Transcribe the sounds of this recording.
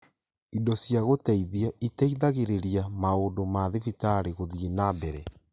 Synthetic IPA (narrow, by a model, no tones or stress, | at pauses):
idɔsjaɣotaiðiaʔitaiðaɣeɾeɾiamaondomaðivitaɾeɣoðienabɛɾɛ